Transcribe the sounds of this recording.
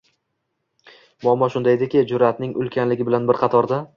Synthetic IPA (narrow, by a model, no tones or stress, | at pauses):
mʊamːɒʃʊnd̪ajd̪ɪkʲɪd͡ʒʊɾat̪nɪŋʔʊ̰lkʲʰanlɪɡʲɪbɪlanbɪɾqʰɑt̪ʰɒɾd̪a